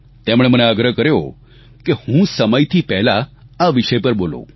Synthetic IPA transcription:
t̪emɽ̃eməneəɡɾəɦkəɾjo | kehũsəməjt̪ʰipɛɦlaaʋiʃəjpəɾbolõ̰

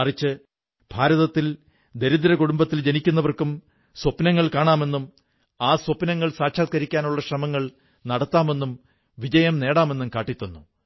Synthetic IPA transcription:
ɐrit͡ɕːɨ | b̥ʱaːɾɐðɐt̪ːil | d̪e̞ɾuðɾɐkuɽumbɐt̪ːild͡ʑenikʲːunːɐʋɐrkum | swɐpnɐŋːɐɭkaːɳaːme̞nːum | aːswɐpnɐŋːɐɭsaːkʂʰaːt̪̚kɐɾikʲːaːnuɭːɐɕrɐmɐŋːɐɭ | nɐɽɐt̪ːaːme̞nːum | ʋid͡ʑɐjɐmne̞ːɽaːme̞nːumkaːʈːit̪ːunːu

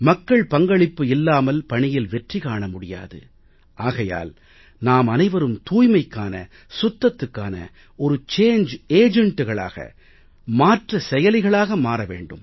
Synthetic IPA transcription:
mɐkːɐɭpɐŋɡɐɭɪpːɯɪlːaːmɐlpɐɳɪjɪlʋɛʈrikaːɳɐmʊɽɪja̰ːðɯ̰ | ʔaːɣɐja̰ːl | naːmɐnɐɪʋɐɾɯmt̪uːjmɐɪkːaːnɐ̰ | sʊt̪ːɐt̪ːɯkːaːnɐ̰ | ɔɾɯt͡ʃeːɲd͡ʒeːd͡ʒɛɳʈːɯɣɐɭa̰ːɣɐ̰ | maːʈrɐsɛjɐlɪɣɐɭaːɣɐmaːɾɐʋḛːɳɖɯ̰m

